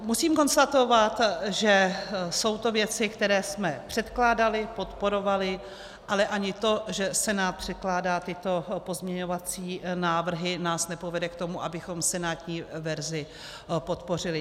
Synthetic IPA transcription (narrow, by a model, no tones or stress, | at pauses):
musiːmko̞nst̪at̪o̞vat̪ʒɛso̞wt̪o̞vjɛt͡sɪkt̪ɛɾɛːsmɛpr̝̥ɛt̪klaːdalɪpo̞t̪po̞ɾo̞valɪ | ʔalɛʔaɲɪt̪o̞ʒɛsɛnaːt̪̚pr̝̥ɛt̪̚klaːdaːt̪ɪt̪o̞po̞zmɲɛɲo̞vat͡siːnaːvr̩ɦɪnaːsnɛpovɛdɛkt̪o̞muʔabɪxo̞msɛnaːt̪ɲiːvɛɾzɪ | po̞t̪po̞r̝ɪlɪ